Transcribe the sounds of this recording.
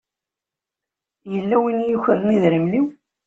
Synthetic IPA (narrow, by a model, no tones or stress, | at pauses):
jəlːæwinjəçəɾˤniðɾəmliw